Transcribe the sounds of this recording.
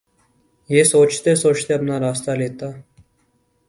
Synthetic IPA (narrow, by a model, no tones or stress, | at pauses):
jeːsoːt͡ʃt̪esoːt͡ʃt̪eɐpnaɾaːst̪aleːt̪aː